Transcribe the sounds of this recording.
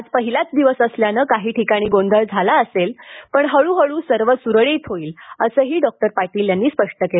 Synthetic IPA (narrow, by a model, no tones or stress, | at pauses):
ad͡zpəɦilat͡s̚d̪iʋəsəsljanəkaɦiːʈʰikaɽ̃iːɡond̪ʱəɭd͡zʱalaəselpəɳɦəɭuːɦəɭuːsəɾʋəsuɾɭet̪ʰɦoiːləsəːɦiːɖɔk̚ʈəɾpaɾʈiːljanːiːspəʂʈəkel